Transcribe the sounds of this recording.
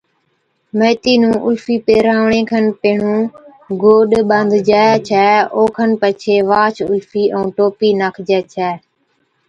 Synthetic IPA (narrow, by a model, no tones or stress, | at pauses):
məːt̪iːnũːʔʊlfiːpeːɾaːʋɳẽːkʰənpəɦɳ̤ũː | ɡoːɗɓənd̪d͡ʒaːet͡ʃʰɛːoːkʰənpət͡ʃʰeːʋaːt͡ʃʰʊ̰lfiːʔə̃ːʈoːpiːnaːkʰd͡ʒɛːt͡ʃʰɛː